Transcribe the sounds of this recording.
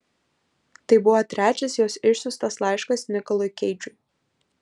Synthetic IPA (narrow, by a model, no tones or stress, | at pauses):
t̪ɐɪbʊʋɔt̪ʲɾʲæːt͡ʃʲɛsjoːsɪʃʲsʲʊst̪ɐslˠɑˑɪʃkɐsnʲɪkɐlˠoɪkʲɛɪd͡ʒʲʊɪ